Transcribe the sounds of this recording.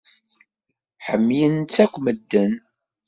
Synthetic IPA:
ħəmːjənt͡sːækʷːməd̪ːən

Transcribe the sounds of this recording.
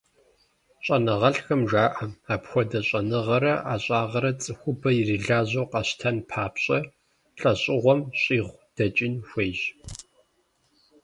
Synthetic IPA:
ɕʼɐnɐʁɐɬxɐmʒaːʔɐmaːpxʷɔdɐɕʼɐnɨʁɐɾɐa̰ːɕʼaːʁɐɾɐt͡sʼɨxʷʊbɐjiriɮaːʑowqɐɕtʰɐnpʰaːpɕʼɐ | ɬʼɐɕʼɪʁʷɔmɕʼiːʁʷd̥ɐt͡ʃʼɪnxʷeːjʒ

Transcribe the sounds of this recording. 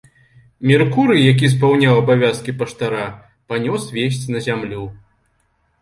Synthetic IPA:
mʲirkuɾɨjak̬ʲis̬pawnʲawɐbavʲaskʲipɐʂt̪aɾa | panʲɔsvʲes̬ʲt͡sʲnɐzʲamlʲu

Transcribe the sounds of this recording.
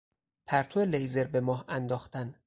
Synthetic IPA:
pʰæɾt̪ʰoelejzeɾbemɒːhænd̪ɒːxt̪ʰæn

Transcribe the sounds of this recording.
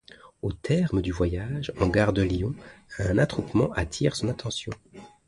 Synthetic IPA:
ot̪ʰɛʁməd̪yvwajaʒɑ̃ɡaʁd̪əlijɔ̃ɛ̃nat̪χupmɑ̃ʔat̪ʰiːʁsɔ̃nat̪ɑ̃sjɔ̃

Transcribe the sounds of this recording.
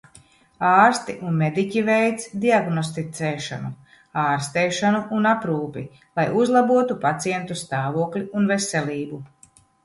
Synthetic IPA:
aːɾst̪iʔunmed̪icʲivɛjt̪sd̪iaɡnɔst̪it̪sɛːʃa̰nu | aːɾst̪ɛːʃanuʔunapɾuːpi | lˠajuzlˠabuɔt̪upat̪siɛnt̪ust̪aːvuɔklʲiunveselʲiːbu

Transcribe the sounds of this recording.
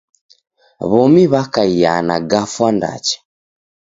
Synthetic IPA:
βɔmiβakaija̰na̰ɡafwanda̰t͡ʃɛ̥

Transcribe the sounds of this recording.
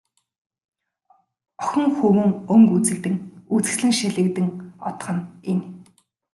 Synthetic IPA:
ɔ̥xʲɪ̆ŋxɵwɘ̆ŋɵŋkut͡sɘ̆kt̪ɘ̆ŋut͡sɘ̥̆ɮɘ̆ŋʃiɮɘ̆kt̪ɘ̆ŋɔt̪̆χə̆nen

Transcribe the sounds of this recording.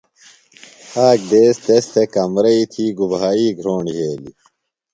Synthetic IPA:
aːk̚d̪eːst̪est̪ʰekɐmɾɐit̪ʰiːɡubʱaːiːɡʱɾoːɳɖiɦeːli

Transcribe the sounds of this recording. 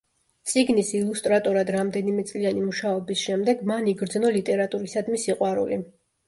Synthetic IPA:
t̪sʼiɡnisilˠust̪ʼɾat̪ʼɔɾad̪ɾamd̪ɛnimɛt̪sʼlianimuʃaɔbisʃɛmd̪ɛɡmaniɡɾd̪znɔlit̪ʼɛɾat̪ʼuɾisad̪misiqʼwaɾṵli

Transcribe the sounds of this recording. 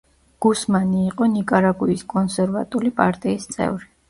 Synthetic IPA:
ɡ̥usmaniːqʼɔnikʼaɾaɡuiskʼɔnsɛɾva̰t̪ʼulipʼa̰ɾt̪ʼiːst̪sʼɛ̰vɾi

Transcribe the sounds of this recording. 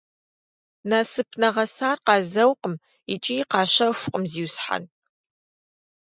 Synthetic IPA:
nasɨpʰnɐʁɐsaːrqɑːzɐwqəm | it͡ʃʼiːqɑːɕɐxʷqʼəmziːwsħa̰n

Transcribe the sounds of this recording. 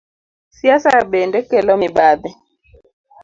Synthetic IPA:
siasaaɓɛndɛkɛlɔmiɓaðɛ

